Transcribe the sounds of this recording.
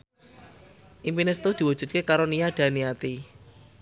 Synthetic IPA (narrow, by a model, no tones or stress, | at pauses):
ʔimpinɪst̪od̪̥i̤wud̥ʒ̥ṳd̪̚kekaɾoniad̪̥a̤niat̪i